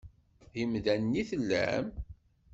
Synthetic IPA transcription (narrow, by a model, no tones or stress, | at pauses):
imðænːiθəlːæ̰m